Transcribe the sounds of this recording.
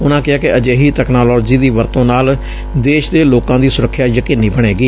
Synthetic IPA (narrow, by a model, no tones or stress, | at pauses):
ʊnãːkɪaːkɪʔəd͡ʒeːɦiːt̪ɛːknaːlɔːd͡ʒiːd̪iːʋəɾt̪õːnaːl | d̪eːʃd̪eːloːkãːd̪iːsʊɾəkʰːjaːjəkiːnːiːbəɳ̃eːɡiː